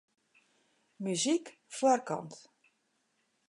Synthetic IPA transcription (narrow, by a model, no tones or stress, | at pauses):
myzikfʊərkɑ̰nt